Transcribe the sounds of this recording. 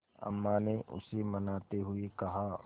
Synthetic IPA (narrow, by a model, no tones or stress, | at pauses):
ɐ̰mːaneʔʊ̰semɐnaːt̪eɦʊekɐɦa